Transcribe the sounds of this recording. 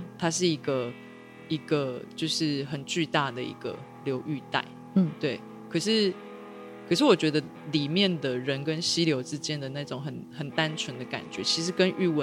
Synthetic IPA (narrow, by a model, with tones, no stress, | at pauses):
t̪ʰa˥ʂ̬ɻ̩˥˩i˧˥ɡə˧ | i˧˥ɡ̥ə˧t͡ɕjo˥˧ʊʂɻ̩˥˩xə˨˩nt͡ɕy˥˧t̪a˥˩d̪ə˩ḭ˧˥ɡ̥ə̰˩ | ljo˧˥ʊʔy˥˧t̪a̰˥˩ɪ˥˩ | t̪we˥˩ɪ | kʰə˨˩ʂɻ̩˥˩ | kʰɤ˨˩ʂɻ̩˥˩wɔ˨˩t͡ɕɥɛ˧˦˥d̪ə˧ | li˨˩mjɛ˥˨nd̪ə˩ɻə˨˦nkə˦˥nɕi˥ljo˧˥ʊʈ͡ʂɻ̩˦˥t͡ɕjɛ˥nd̪ə˨˩na˥˩ʈ͡ʂʊ˨˦ŋɦə˨˩nxə˨˩nt̪a˦nt͡ʃʰɥɛ˧˦nd̪ə˨ka̰˨˩nt͡ɕɥɛ˨˦t͡ɕʰi˧˥ʂɻ̩˧˥kə˦nʔy˥˧wə˧˦